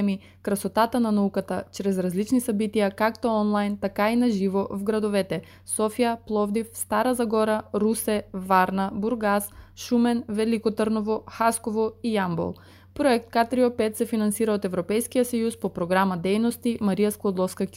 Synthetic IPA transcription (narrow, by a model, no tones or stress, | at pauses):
mi | kɾɐsot̪at̪ənanaukat̪at͡ʃɾɛzɾazlit͡ʃnisɐbit̪ijakakt̪oɔnlˠajnt̪akainaʒivovɡɾɐd̪ovɛt̪ɛ | sɔfijaplˠɔvd̪ifst̪aɾazɐɡɔɾaɾusɛvaɾnabuɾɡasʃumɛnvɛlikot̪əɾnovoxaskovoijambo̰lˠ | pɾoɛk̚t̪̚kat̪ɾiopɛt̪sɛfinɐnsiɾaot̪ɛvɾopɛjskijəsɐjuspopɾoɡɾamad̪ɛjnost̪imɐɾijasklˠod̪lˠɔfskakʲ